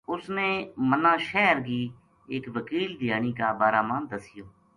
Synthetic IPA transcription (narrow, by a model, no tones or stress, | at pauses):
ʊsneːmənãːʃɛːɾɡiː | ekʋəkiːld̪ɪjaːɽ̃iːkaːbaːɾaːmaːnd̪əsɪjoː